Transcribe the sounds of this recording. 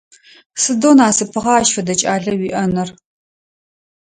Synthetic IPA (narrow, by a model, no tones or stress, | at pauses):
sɨdoːnaːsɨpʰɨʁɐːʃfɐdɐt͡ʃʼaːɮɐwiːʔɐnɐr